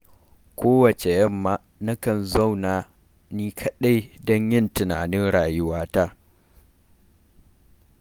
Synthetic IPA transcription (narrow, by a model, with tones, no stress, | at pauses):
kʰʷoː˦wɐ˨t͡ʃe˨jɐ˦mːaː˦ | nɐ˦kɐ˨nzɐ˦˨wnaː˨ | niː˦kʰɐ˦ɗa˦jdɔ˦ɲjɪ˦ntɪ˨na̰ː˨nɪ˦nɽaː˨jʊ˦waː˦taː˦